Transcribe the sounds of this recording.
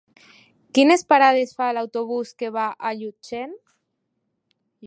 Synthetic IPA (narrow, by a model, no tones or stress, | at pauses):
kinespaɾað̞esfalawt̪oβ̞uskeβ̞aʔaʎut͡ʃen